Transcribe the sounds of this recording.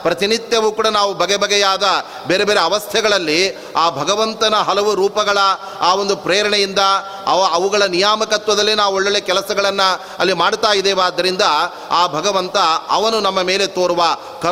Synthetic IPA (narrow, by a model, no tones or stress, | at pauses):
pɾɐt̪init̪jɐʋuːkuːɽɐnaːʋubʱɐɡɛbʱɐɡɛjaːd̪ɐ | beːɾebeːɾeɐʋɐst̪ʰɛɡɐɭɐlːi | aːbʱɐɡɐʋɐnt̪ɐnɐɦɐlɐʋuɾuːpɐɡɐɭɐ | aːʋo̞nd̪upɾeːɾɐɳɛjind̪ɐ | ɐɐɐʋuɡɐɭɐnijaːmɐkɐt̪ʋɐd̪ɐlːinaːʋuoɭːɐɭeːkɛlɐsɐɡɐɭɐnːɐ | ɐlːimaːɽt̪aːjid̪ɛːʋaːd̪ːɐɾind̪ɐ | aːbʱɐɡɐʋɐnt̪ɐɐ̰ʋɐnunɐmːɐme̞ːle̞t̪oːɾuʋɐ | kɐ